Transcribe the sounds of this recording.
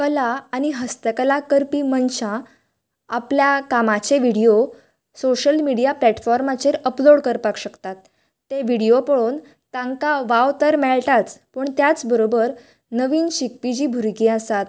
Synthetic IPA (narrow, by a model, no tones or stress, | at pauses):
kəlaːñiɦəst̪əkəlakəɾpiːmənɕã | apljakamat͡ɕeʋiɽijo | soɕəlmiɽijaplɛʈfɔɾmat͡ɕeɾəploɽkəɾpakɕəkt̪at̪ː | eʋiɽijopəɭon | t̪ãŋkaʋaʋt̪əɾmeɭʈat͡spəɳt̪jat͡sbəɾobəɾ | nəʋiːnɕik̚pid͡ʑiːbʱuɾɡiasat̪